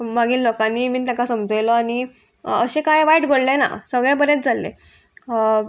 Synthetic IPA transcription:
maɡiːllɔkaniːmiːt̪jãkasəmd͡zəjlɔaɽ̃i | əɕekajʋaiʈɡʱoɽlena̰səɡɭɛ̃bəɾjet͡s̚d͡zʱalːḛ

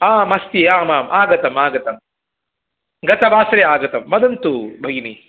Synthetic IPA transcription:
aːmɐst̪iaːmaːmʔaːɡɐt̪ɐmaːɡɐt̪ɐm | ɡɐt̪ɐbaːsɐɾeaːɡɐt̪ɐmːɐd̪ɐnt̪ubʱɐɡni

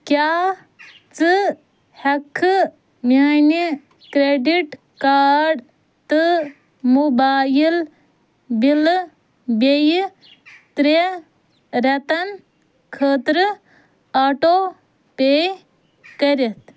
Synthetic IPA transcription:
kjaː | t͡sɨ | hɐkʰːɨ | mʲaːni | kɾeɖiʈ | kaːɖ | t̪ɨ | mubaːjil | bil | bej | t̪ɾe | ɾɐt̪ɐn | kʰəːt̪ɾ | aːʈoː | peː | kɐɾet̪

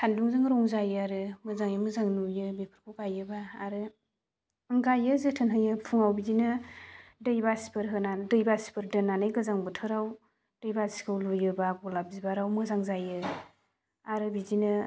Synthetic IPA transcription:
tʰanduŋzɯŋɾɔŋzajɯaɾɯmɯzaŋjɯmɯzaŋnujɯbipʰɯɾkʰɔɡajɯbaːɾɯ | ŋɡajɯzɯtʰɯnɦɯjɯpʰuŋawbizinɯ | dɯjbasi̥pʰɯɾɦɯnadɯjbasi̥pʰɯɾdɯnanajɡɯzaŋbɯtʰɯɾaw | d̥ɯjbasi̥kʰawlujɯbaɡɔlab̚zibaɾawmɯzaŋzajɯ | aɾɯbizinɯ

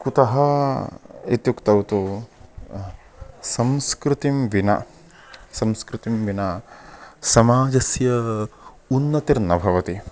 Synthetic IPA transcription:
kut̪ɐɦɐ | it̪jukt̪ɐwt̪u | sɐmskɾut̪imʋinɐ̰ | sɐmskɾut̪imʋinɐ | sɐmaːd͡ʒɐsjɐ | unːɐt̪iɾnɐbʱɐʋɐt̪i

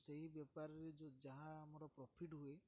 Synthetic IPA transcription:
seɦibjɔpaɾɔɾed͡ʒɔd͡ʒaɦãamɔɾɔpɾɔpʰiʈɦue

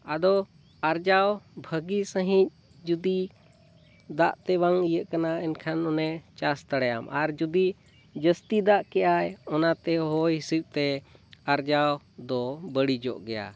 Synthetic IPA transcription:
ad̪ɔ | aɾd͡ʒawbʱəɡisə̃ɦĩc̚ | d͡ʒud̪i | d̪aʔt̪ɛwaŋijəʔkanaɛnkʰanɔnɛt͡ʃast̪aɽɛja̰mʔaɾd͡ʒud̪i | d͡ʒəst̪id̪aʔkɛʔajɔnat̪ɛɦɔjɦisip̚ˀt̪ɛaɾd͡ʒaw | d̪ɔbəɽid͡ʒɔ̰ʔɡɛja̰

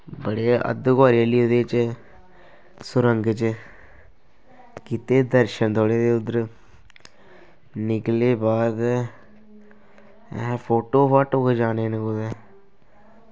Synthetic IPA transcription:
bəɽeːə̰d̪koːɾeliːod̪eːt͡ʃ | sʊɾəŋɡt͡ʃ | kiːt̪eːd̪əɾʃənt̪oːɽeːd̪eːʊd̪əɾ | nɪkleːbaːd̪ | pʰoːʈoːpaʈʊkd͡ʒaːneːnekod̪eː

